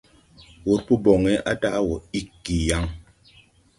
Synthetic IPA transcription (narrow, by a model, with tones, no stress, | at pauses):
wo˨ɾpu˦bo˨ŋe˦ʔa˦ta˦ʔwo˨i˦kːi˨ja˨˦ŋ